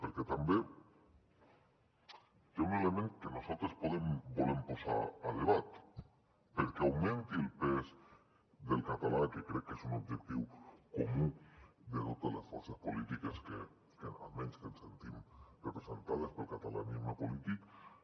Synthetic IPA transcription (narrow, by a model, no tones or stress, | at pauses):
peɾket̪ambe | t̪eunelemẽŋkenosalˠt̪ɾespoð̞embolemposa̰aðeβat̪ | peɾkeawmẽnt̪ielˠpez | ðelˠkat̪alakekɾɛkːesunobd͡ʒek̚t̪iwkomud̪et̪ot̪ezlesfoɾsespolit̪ikeske | kea̰lmẽnskensent̪imrepɾesent̪að̞espelˠkat̪ala̰nizmepolit̪ik